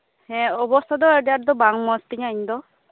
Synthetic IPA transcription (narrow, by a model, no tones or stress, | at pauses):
hɛ̃ɔbɔst̪ʰɔd̪ɔedat̚d̪ɔbaŋmɔst̪iɲaiɲd̪ɔ